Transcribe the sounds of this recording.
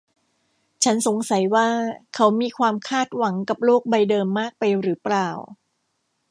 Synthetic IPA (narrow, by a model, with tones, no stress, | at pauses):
t͡ɕʰa˦˥nso˩˦ŋsa˩˦jwaː˥˩kʰa˦˥wmiː˧kʰwaː˧mkʰaː˥˩t̪̚wa˩˦ŋka˨˩p̚loː˥˩k̚ba˧jdɤː˧mːaː˥˩k̚pa˧jɾɯː˩˦plaː˨˩w